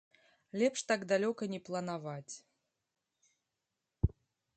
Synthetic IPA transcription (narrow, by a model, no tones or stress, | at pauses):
lʲɛpʂt̪aɡd̪alʲɔkɐnʲɛplˠɐnavat͡sʲ